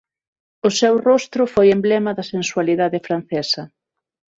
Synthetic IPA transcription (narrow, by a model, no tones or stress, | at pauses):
ʊsɛwrost̪ɾʊfojemblɛmɐðɐsenswaliðaðɪfɾan̟θɛsɐ